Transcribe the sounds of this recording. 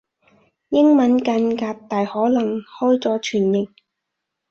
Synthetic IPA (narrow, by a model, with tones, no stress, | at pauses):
jɪ˥ŋmɐ˨˧˥nkɐ˧nkaː˧k̚t̪aː˨jhɔː˨˥lɐ˨˩ŋhɔː˥jt͡sɔː˨˥t͡ʃʰyː˨˩njɪ˨ŋ̚